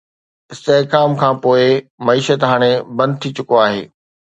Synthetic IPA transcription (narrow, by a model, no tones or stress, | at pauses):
ɪst̪eɦkaːmkʰãːpoːɪmɐiːʃət̪ɦaːɽ̃ebɐ̃nd̪̚t̪ʰit͡ɕʊkoaːɦḛː